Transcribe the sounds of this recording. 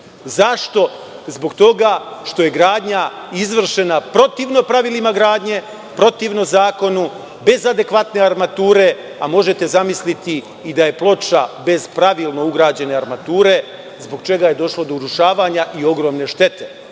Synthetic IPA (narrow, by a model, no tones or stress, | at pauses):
zaʃt̪o̞zbo̞ɡt̪o̞ɡaʃt̪o̞je̞ɡɾaːd̪ɲa | izʋr̩ʃe̞napɾo̞t̪iːʋno̞pɾaʋilimaɡɾaːd̪ɲe̞ | pɾo̞t̪iːʋno̞zaːko̞nu | be̞zad̪e̞kʋat̪ne̞aɾmat̪uːɾe̞ | amo̞ʒe̞t̪e̞zamislit̪iː | d̪aje̞plˠo̞t͡ʃabe̞z̥pɾaʋiːlˠno̞uɡɾaːd͡ʑe̞ne̞aɾmat̪uːɾe̞ | zboɡ̚t͡ʃe̞ɡaje̞d̪o̞ʃlˠo̞d̪ouɾuʃaːʋaːɲaʔio̞ɡɾo̞ːmne̞ʃt̪e̞t̪ʰe̞̥